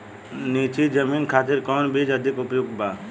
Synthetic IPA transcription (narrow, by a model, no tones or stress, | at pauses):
niːt͡ʃid͡ʒəmiːnkʰaːt̪̬ɪɾkɔːnbiːd͡ʒəd̪ʱɪkʊpjoɡbaː